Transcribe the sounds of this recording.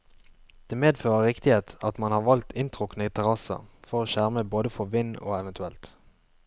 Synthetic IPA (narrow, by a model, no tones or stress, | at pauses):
d̪̥eːmeːd̪føːʁəʁɪkt̪ɪheːt̪ɑ̰t̪mɑnhɑːʋɑlt̪ʰɪnt̪ʰʁʊknəɪt̪ʰɛʁɑsə̰ʁfɔʁoːʃæʁməboːd̪əfɔʁʋɪnːo̰ːɛʋənt̪ʉɛlt̪